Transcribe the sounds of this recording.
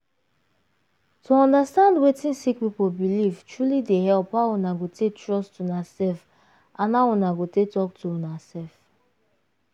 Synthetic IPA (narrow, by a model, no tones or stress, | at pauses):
tʰuɔ̃ndastãndwetĩnsik̚pipobilivtɹulidehɛlpaunaɡotʰektɹɔstunasɛlf | ʔãnaunaɡotetɔk̚tuɔnasɛlf